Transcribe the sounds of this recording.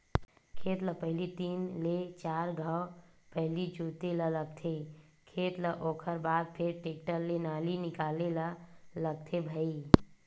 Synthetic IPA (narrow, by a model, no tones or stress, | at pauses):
kʰeːt̪ləpəɦlit̪iːnlet͡ʃaːɾɡʱəwpəɦlid͡ʒuːt̪elələɡ̚t̪ʰe | kʰeːt̪ləʔoːkʰəɾbaːd̪̚pʰɪɾʈeːkʈəlːenaːlinɪkaːlelələɡ̚t̪ʰebʱəi